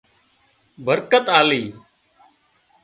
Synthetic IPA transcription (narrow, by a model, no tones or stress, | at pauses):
bʱəɾkət̪aːliː